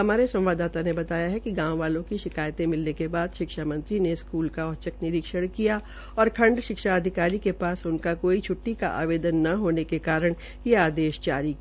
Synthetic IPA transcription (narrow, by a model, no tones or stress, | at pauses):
ɦɐmaːɾesɐ̃mʋaːd̪aːt̪anebɐt̪aːjaɦɛkiɡãːwʋaːlõkiʃɪkaːjt̪ẽmɪlnekebaːd̪ʃɪkʃamɐ̃nt̪ɾineɪskuːlkaɔɦt͡ʃəknɪɾɪkʃəɽ̃kija | ɔːɾkʰɐ̃ɳɖʃɪkʃaɐd̪ʱɪkaːɾikepaːsʊnkakoːit͡ʃʰʊʈːika̰ʔa̰ːʋeːd̪ənːɐɦoːnekekaːɾəɽ̃ | jeaːd̪eːʃd͡ʒaːɾik